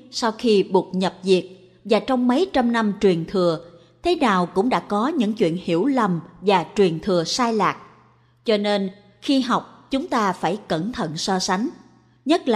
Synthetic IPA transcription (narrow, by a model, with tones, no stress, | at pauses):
sa˧wxi˧ɓu˨˩ət̚ɲə˨˩p̚zi˨˩ək̚ | vaː˨˩t͡ɕɔ˧wŋ͡mmə˨˦jt͡ɕa˧mna˧mt͡ɕwi˨˩ənt̪ʰɨ˨˩ə | t̪ʰe˨˦naː˨˩wkʊ̰˧˥ŋ͡mɗa̰ː˧˥kɔ˨˦ɲɨ̰˧˥ŋt͡ɕwḭ˧˨ənhḭ˧˩əwlə˨˩mvaː˨˩t͡ɕwi˨˩ənt̪ʰɨ˨˩əsaː˧jlaː˨˩k̚ | t͡ɕɔ˧ne˧n | xi˧ɦa˨˩wk͡p̚t͡ɕʊ˨˦ŋ͡mt̪aː˧faː˧˩jkə˧˩nt̪ʰə̰˧˨nsɔ˧sa˨˦ŋ̟ | ɲə˦˥t̚la̰˧˨˩